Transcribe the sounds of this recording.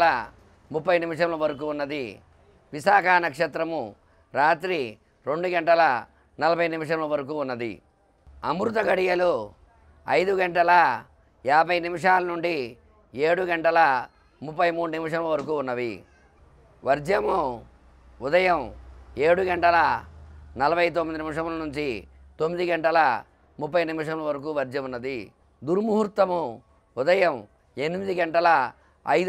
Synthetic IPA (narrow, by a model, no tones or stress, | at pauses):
lɐ | mupːɐjnimiʂɐmlɐʋɐɾɐk̬uːnːɐd̪i | ʋisaːkʰaːnɐkʂɐt̪ɾɐmu | ɾaːt̪ɾi | ɾeɳɖuɡɐɳʈɐlɐ | nɐlɐbʱɐjnimiʂɐmlɐʋɐɾɐk̬uːnːɐd̪ḭ | ɐmɾut̪ɐɡɐɽijɐlu | ɐjd̪uɡɐɳʈɐlɐ | jaːbʱɐjnimiʂaːlɐnuɳɖi | eːɽuɡɐɳʈɐlɐ | mupːɐjmuːɽunimiʂ̬ɐmlɐʋɐɾɐkuːunːɐʋi | ʋɐɾd͡ʒjɐmu | ud̪ɐjɐmeːɽuɡɐɳʈɐlɐ | nɐlɐbʱɐjt̪̬omːid̪inimiʂɐmlɐnuɲt͡ʃi | t̪omːid̪iɡɐɳʈɐlɐ | mupːɐjnimiʂɐmlɐʋɐɾɐk̬uːʋɐɾd͡ʒjɐmunːɐd̪i | d̪uɾmuɦuɾt̪ːɐmu | ud̪ɐjɐm | e̞nimid̪iɡɐɳʈɐlɐ | ɐ̰j